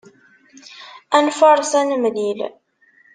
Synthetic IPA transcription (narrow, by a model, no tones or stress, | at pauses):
ænfɑɾˤsænəmlil